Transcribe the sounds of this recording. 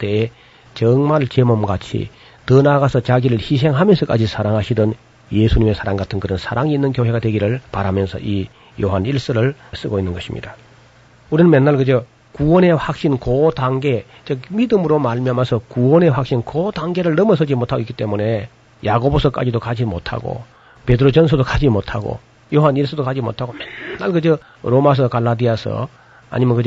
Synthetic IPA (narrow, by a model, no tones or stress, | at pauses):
t͈e̞ː | t͡ɕʌŋmaɭt͡ɕemomɡat͡ɕʰḭ | tɯnaɡasʰʌt͡ɕaɡiɾɯɭçis̬ʰe̞ŋɦamjʌnsʰʌk͈ad͡ʑisʰaɾaŋɦaɕʰidʌn | jesʰuɲime̞sʰaɾaŋɡatʰɯnkɯɾʌnsʰaɾaŋiinːɯnkjoɦwe̞ɡadwe̞ɡiɾɯɭpaɾamjʌnsʰʌʔi | joɦaniɭs͈ɯɾɯɭs͈ɯɡoinːɯnɡʌɕʰimɲʔḭda | uɾinɯnmjenːaɭkɯd͡ʑo | kuwʌne̞ɸwak̚ɕ͈inkotaŋɡe̞ | t͡ɕʌmidɯmɯɾomaɭmiamasʰʌkuwʌne̞ɸwak̚ɕ͈inkotaŋɡe̞ɾɯɭnʌmʌsʰʌd͡ʑimotʰaɡoikit͈e̞mune̞ | jaɡobosʰʌk͈a̰d͡ʑidokad͡ʑimotʰa̰ɡo̰ | pe̞dɯɾot͡ɕʌnsʰʌdokad͡ʑimotʰaɡo̰ | joɦaniɭs͈ɯdokad͡ʑimo̰tʰaɡomenːaɭkɯd͡ʑʌ | ɾomas̬ʰʌkaɭːadiasʰʌ̰ | a̰ɲimʌnkɯd͡ʑ